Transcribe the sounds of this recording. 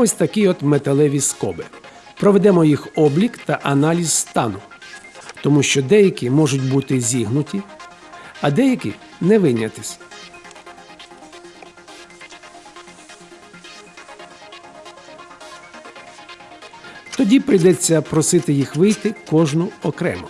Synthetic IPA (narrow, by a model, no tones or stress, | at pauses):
ɔsʲt̪ɐkʲiɔd̪met̪elˠɛʋʲiskɔ̰bɪ | pɾɔʋed̪ɛmɔjixɔblʲikt̪ɐʔɐnɑlʲizst̪ɑnʊ | t̪ɔmuʃt͡ʃɔd̪ɛjɐkʲimɔʒʊtʲbut̪ɪzʲiɦnʊtʲi | ɐd̪ɛjɐkʲḭnɛʋɪnʲɐt̪ɪsʲ | t̪ɔdʲipɾɪjd̪ɛt͡sʲːɐpɾɔsɪt̪ɪjixʋɪjt̪ɪkɔʒnʊɔkɾɛ̰mɔ